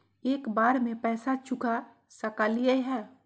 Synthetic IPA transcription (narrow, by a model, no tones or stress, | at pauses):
eːkbaːɾmẽpɛːsat͡ʃʊka | sɐkaːlijəɦɛː